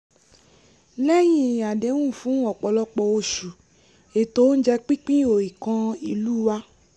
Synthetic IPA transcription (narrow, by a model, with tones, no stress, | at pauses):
lɛ˦j̃ĩ˦˨a˨de˨˦wũ˦˨fũ˨˦ɔ˨k͡pɔ˨lɔ˧k͡pɔ˧o˧ʃu˨ | e˨to˨˦n̩˦d͡ʒɛ˧k͡pĩ˦k͡pĩ˦o˨i˨kã˧i˧˨luː˦wa˧˦